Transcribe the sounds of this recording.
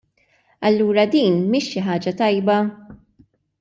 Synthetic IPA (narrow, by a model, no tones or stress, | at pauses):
ɐlːuːɾɐd̪iːnmiːʃːɪħɐːd͡ʒɐt̪ɐjbɐ